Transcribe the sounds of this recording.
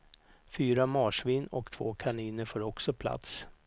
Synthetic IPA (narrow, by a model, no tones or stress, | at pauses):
fyːɾamɑːʂvɪnːɔkt̪ʰv̥o̰ːkʰaɳiːnəɾfœɾɔksɔpʰla̰t̪s